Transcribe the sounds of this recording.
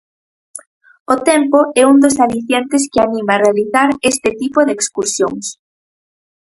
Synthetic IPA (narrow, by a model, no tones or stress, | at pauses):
ot̪ɛmpoɛund̪osaliθjent̪es̬kɪanĩmaːrealiθaɾest̪ɪt̪ipoðeːkskuɾsjo̰ŋs